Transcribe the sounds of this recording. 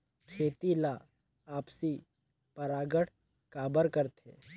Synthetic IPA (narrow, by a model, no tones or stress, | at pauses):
kʰeːt̪ilaː | aːpsi | pɐɾaːɡəɽ | kaːbəɾkəɾt̪ʰḛː